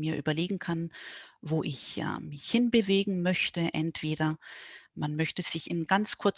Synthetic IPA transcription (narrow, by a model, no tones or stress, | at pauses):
miːɐʔyːbɐleːɡŋ̩kʰanvoːʔɪçʔɛ̰mɪçhɪnbəveːɡŋ̩mœçtəʔɛ̰ntv̥eːɾɐmanmœçtəz̥ɪçɪnɡant͡skʰʊɐt͡s